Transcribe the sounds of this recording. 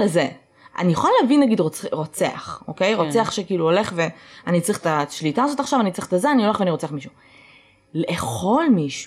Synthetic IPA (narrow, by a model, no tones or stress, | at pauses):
leze | ʔa̰nijeχaleavinːaɡidʁoʁo̞t͡sea̰χo̰ke̞jʁo̞t͡se̞aχʃekiːluole̞χve̞anit͡saʁiχtaʃlitaːzo̞taχʃavanit͡sʁiχt̪azeanio̞le̞χveaniʁo̞t͡se̞aχmiʃu | leːχo̞lmiʃ